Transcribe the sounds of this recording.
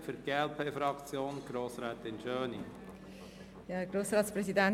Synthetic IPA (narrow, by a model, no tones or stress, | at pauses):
fʏɾɡ̥eːɛlpʰeːfɾɑkt͡sjoːnɡ̥ɾoːsɾɛːt̪ɪnʃœːnḭ | jɑːɡ̥ɾoːsɾɑːtsprɛsidæn